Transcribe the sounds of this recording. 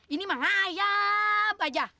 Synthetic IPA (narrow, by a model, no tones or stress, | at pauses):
inĩmãɦajabad͡ʒa